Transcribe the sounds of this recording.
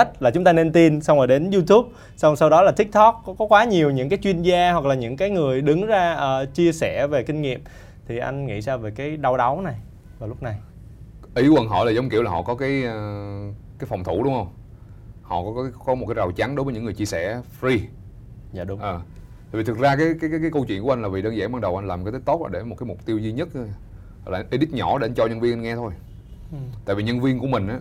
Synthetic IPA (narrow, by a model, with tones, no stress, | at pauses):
a˦˥t̟̚laː˨˩t͡ɕʊ˨˦ŋ͡mt̪aː˧ne˧nt̪i˧nsa˧wŋ͡maː˨˩ɗe˨˦nzu˧t̪u˦˥p̚ | sa˧wsa˧wɗɔ˨˦laː˨˩t̪ʰï˦˥k̚t̪ɔ˦˥k̚ːɔ˨˦kɔ˨˦kwaː˨˦ɲi˨˩əwɲɨ̰˧˥ŋkaː˨˦jt͡ɕwi˧ənzaː˧hwa˨˩k̚laː˨˩ɲɨ̰˧˥ŋkaː˨˦jŋɨ˨˩əjɗɨ˨˦ŋzaː˧ʔəː˨˩t͡ɕi˧əsɛ˧˩ve˨˩kï˧ŋ̟ŋḭ˧˨əm | t̪ʰi˨˩ʔa̰˧jŋ̟ŋḭ˧˥zaː˧ve˨˩kaː˨˦jɗa˧wɗa˨˦wna˨˩j | vaː˨˩lʊ˦˥k͡p̚na˨˩j | ʔi˨˦wə˨˧˩nɦɔ̰˧˨laː˨˩zə˨˦wŋ͡mki˧˨əwla˨˩hɔ̰˧˨˩kɔ˨˦kaː˨˦jː | kaː˨˦jfɔ˨˩wŋ͡mt̪ʰu˧˩ɗʊ˨˦ŋ͡mhə˧wŋ͡m | hɔ̰˧˨kɔ˨˦kkɔ˨˦mo˨˩t̚kːaː˨˦za˨˩wt͡ɕa˨˦nɗo˨˦vəː˨˦ɲɨ̰˧˥ŋɨ˨˩əjt͡ɕi˧əsɛ̰˧˩fɾi˧˨˦ | ʔəː˨˩ | t̪a̰ː˨˧˨vi˨˩t̪ʰk̚zaː˧kaː˨˦jkaː˨˦jkːkaː˨˦kə˧wt͡ɕwḭ˧˨nkŋlaː˨˩vi˨˩ɗəː˧nza̰ː˧˩ŋɓaː˧ŋɗə˨˩wʔa˧nlaː˨˩m˨kːt̪ʰə˦˥k̚t̪o˦˥t̚ʔa̰ː˧ɗe˧˩mo˨˩t̚kaː˨˦mʊ˨˩k͡p̚t̪i˧wzi˧ɲə˦˥t̚ | laː˨˧ʔi˧ɗi˦˥t̚ɲɔ˧˩ɗe˧˩ʔa˧n̟t͡ɕɔ˧ɲə˧nvi˧ənʔa˧ŋɛ˧t̪ʰo˧j | t̪a̰ː˧˨vi˨˩ɲə˧nvi˧ənku˧˩əmï˨˩ŋ̟ʔaː˨˦